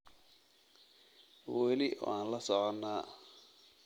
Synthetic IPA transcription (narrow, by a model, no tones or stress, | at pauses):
wɛlɪaːnlɐsɔʕɔnːaː